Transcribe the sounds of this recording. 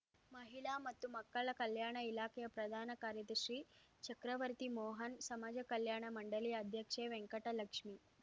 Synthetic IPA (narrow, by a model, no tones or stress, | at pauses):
məɦilamɐt̪ːumɐkːəɭɐkɐljaːɳɐilakejɐpɾɐd̪ʱaːnɐkaɾjɐt̪iɕɾiː | t͡ɕəkɾəʋəɾt̪imoːɦənsɐmad͡ʑɐkɐljaɳ̃əmɐɳɖəliːɐd̪ʱjəkʂeʋeŋkəʈɐlɐkʂmiː